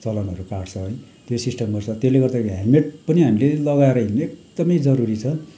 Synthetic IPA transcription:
t͡sʌlʌnʌɾukaɽt͡sʰʌɦʌj | t̪josisʈʌmɡʌrt͡sʰʌt̪esleɡʌrd̪aɦameʈ̚pʌniɦamilelʌɣaeɾʌineek̚d̪̥ʌmʌjd͡zʌɾuɾit͡sʰʌ

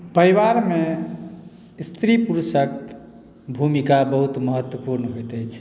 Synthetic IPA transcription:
pəɾiwaɾme | st̪ɾipuɾsək | bʱumikabəɦut̪məɦət̪wəpuɾnɦojt̪ət͡ʃʰ

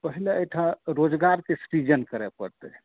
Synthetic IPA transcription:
pəɦileeʈʰaɾod͡ʒɡaɾkesɾid͡ʒənkəɾɛpəɾt̪əe

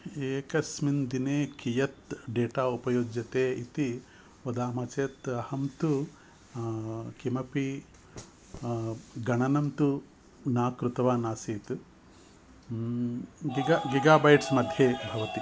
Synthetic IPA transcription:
eːkɐsmind̪ineːkijɐt̪ɖeːʈaːupɐjoːd͡ʒjɐt̪eːit̪i | ʋɐd̪aːmɐt͡ʃeːt̪ɐhɐmt̪u | kimɐpi | ɡɐɳɐnɐmt̪u | naːkɾut̪ɐʋaːnaːsiːt̪ | ɡiɡaɡiɡaːbɐjʈsmɐd̪ʱjeːbʱɐʋɐt̪i

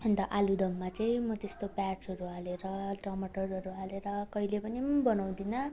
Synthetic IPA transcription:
ʌnt̪ʌʔalud̪ʌmːat͡saĩmʌt̪est̪opat͡sʌɾualeɾʌʈrʌmʌʈʌrɦʌɾuɦaleɾʌkʌilepʌnibʌnaw̃d̪inʌ

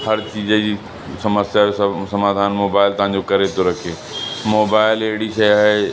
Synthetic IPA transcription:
hɐɾt͡ɕiːzd͡ʑiː | sɐməsjaɦesɐmaːd̪ʱaːnmoːbaːɪlt̪ɐʋɦãːɲd͡ʑokɐɾet̪ʰoɾɐkʰeː | moːbaːɪleɦɪɽiʃɐjaːɦe

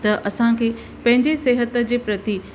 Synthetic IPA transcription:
t̪ɐʔɐsãkʰeː | pɐ̃ɦɪ̃ɲd͡ʑeseːɦət̪əd͡ʑeːpɾɐt̪i

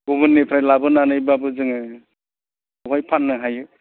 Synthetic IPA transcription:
ɡubɯnːepʰɾajlabɯnanɯjbabɯzɯŋɯ | ɔwajpʰanːɯɦajɯ

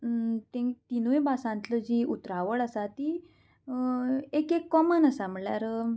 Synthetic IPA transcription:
t̪ẽt̪inuebasãnt̪ləd͡ʑiːʔut̪ɾaʋəɭasat̪i | ekekːɔmənasam̤əɭlja̰ɾ

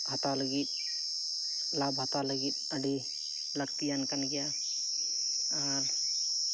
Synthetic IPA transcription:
ɦɐt̪aləɡit̪̚ | labɦɐt̪aləɡit̪̚əɖi | ləkt̪ijankɐnɡja | aɾ

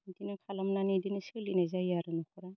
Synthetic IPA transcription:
dinɯkʰalamnanidinɯslinazajaɾɯnukʰɔɾa

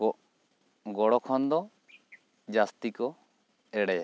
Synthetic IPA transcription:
ɔʔ | ɡɔɽɔkʰɔnd̪ɔ | d͡ʒast̪ikɔ | ɛɽɛjɛ

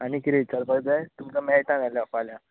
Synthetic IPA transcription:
añikiɾeit͡ɕaɾpəɡd͡zajt̪umt͡ɕamɛjʈãnalafalja

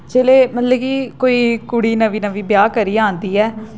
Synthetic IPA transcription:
t͡ʃeːleːmət̪ləbkikoːiːkuːɽiːnəʋiːnəʋiːbɪjaːkəɾiːãːnd̪iːɛː

